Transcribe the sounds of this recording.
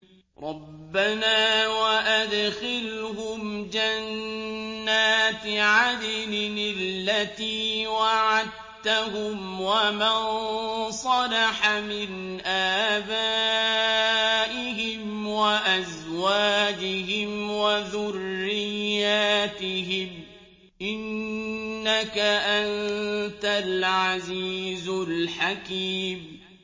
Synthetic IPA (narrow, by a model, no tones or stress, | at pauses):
ɾˤɑbbːanaːwaʔad̪xɪlhʊmd͡ʒanː | aːt̪ʕad̪ɪlɪnɪlːat̪iːwaʕad̪̚ | t̪aɦʊmwamansˤɑlɑħamɪnʔaːbaː | ʔɪɦɪm | waʔazwaːd͡ʒɪɦɪmwaðʊrːɪjːaːt̪ɪɦɪm | ʔɪnː | akaʔant̪alʕaziːzʊlħakiːm